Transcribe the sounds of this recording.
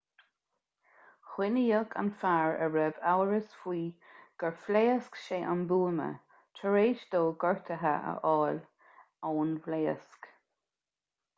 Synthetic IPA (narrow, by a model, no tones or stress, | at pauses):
xwɪnəjəkʰa̰nfaːɹəɹɛvawəɹəsfwiːɡ̥əɹfleːəskʃeːʔanbuːmə̰ | tʰəɹeːʃd̪oːɡɔɹt̪ʰəɦə̰ʔə̰ʔɔːl | ɔːnvleːəsk